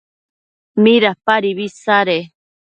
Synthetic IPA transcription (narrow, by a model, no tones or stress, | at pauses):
miɾapaɾiβisaɾe